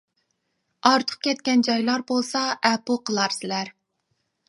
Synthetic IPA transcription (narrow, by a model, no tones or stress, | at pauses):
ɑɾt̪ʰʊ̥q̚kʲɛt̪̚kʲɛnd͡ʒɑjlˠɑɾbolˠsɑʔæpoqʰəlˠɑɾsɪlæɾ